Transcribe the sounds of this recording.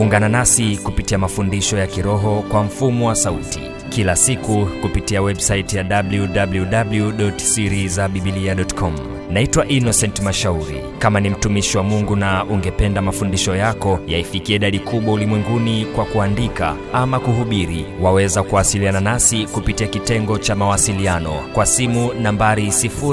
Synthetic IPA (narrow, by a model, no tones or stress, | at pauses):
uŋɡananasikupitiamafundiʃɔjakiɾɔɦɔkwam̩fumɔwasautḭ | kilasikukupitiawɛbsaitjaɗabljuɗabljuɗabljuɗɔtsiɾizaɓiɓiliaɗɔtkʰɔm | naitwaʔinɔsɛntmaʃauɾḭ | kamanim̩tumiʃiwamuŋɡunaʔuŋɡɛpɛndamafundiʃɔjakɔjaifikiaiɗaɗikuɓwaulimwɛŋɡunikwakuandika̰ | amakuɦuɓiɾiwawɛzakuwasiliananasikupitiakitɛŋɡɔt͡ʃamawasilianɔ̰kwasimunambaɾisifu